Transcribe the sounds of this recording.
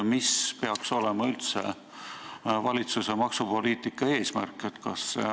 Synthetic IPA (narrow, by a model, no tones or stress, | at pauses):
mispe̞ɑkso̞lemɑylt̪sḛ | vɑlʲit̪suse̞mɑksupo̞liːt̪ˑikːˑɑe̞ːsmæ̰rkːˑet̪kɑs